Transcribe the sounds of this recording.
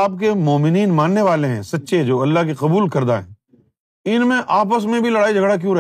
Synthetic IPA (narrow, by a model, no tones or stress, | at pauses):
p̚kemɔːmɪniːnmãːnːeʋaːleɦɛ̰̃sɐtːʃed͡ʒoːɐlːaɦk̬eqɐbuːlkɐɾd̪a̰ɦɛ̰̃ː | ɪnmẽʔaːp̬əsmẽbʱilɐɽaːid͡ʒʱɐɡɽak̬jũːɾɐ